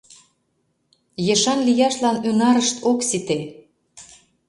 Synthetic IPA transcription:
jeʃɑnlijɑʃlɑnynɑɾəʃt̪ʰoksit̪e

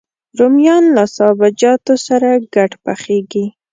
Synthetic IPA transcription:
ɾomjɑnlasɑbad͡ʒɑt̪osaɾaɡaʈpaxeɡi

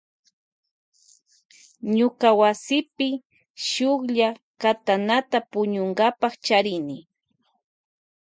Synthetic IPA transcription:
ɲʊkawasɪpɪ | ʃʊkʎa | kat̪anat̪apʊɲʊŋɡapaχt͡ʃaɾɪnɪ

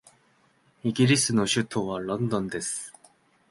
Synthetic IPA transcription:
iɡʲiɾʲisɨno̞ɕɨt̪ʰo̞ːβaɾõnd̪õ̞nd̪e̞sɨ̥

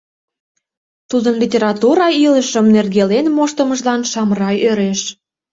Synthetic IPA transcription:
t̪ud̪ənlʲitʲeɾɑt̪uɾɑiləʃəmnerɣelenmoʃt̪əməʒlɑnʃɑmrɑjøɾeʃ

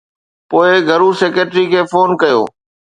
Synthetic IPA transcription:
poːɪɡʱɐɾuseːkeːʈɾikʰeːfoːnkɐjo̰ː

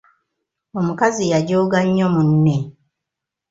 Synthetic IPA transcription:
omukazijaɟoːɡaɲːomunːe

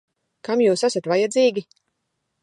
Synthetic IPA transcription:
kamjuːsasat̪vajad̪ziːɡʲi

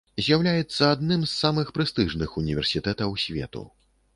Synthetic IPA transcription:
zʲjawlʲajɛt̪sːɐad̪nɨmsːamɨxpɾɨst̪ɨʐnɨxunʲivʲɛrsʲit̪ɛt̪ɐwsʲvʲɛ̰t̪ṵ

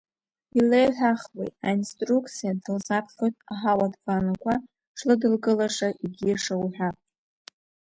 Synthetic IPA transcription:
ilejħʷᶣaχwejtʼainstʼrukʼʰt͡sʰʼijadɨlzapʰχʲotʼaħawadbanakʷʰa | ʂlɨdɨlɡɨlaʂaʔiɡʲiaʂawħʷᶣa

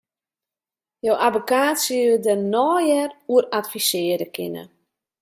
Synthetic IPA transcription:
jowʔabəkaːtsjəədənɔːjɛruəratfisɪːədəkʰɪ̰nə̰

